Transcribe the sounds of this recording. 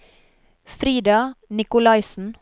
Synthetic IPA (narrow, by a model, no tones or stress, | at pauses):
fɾiːd̪ɑnɪkʊlɑɪsn̩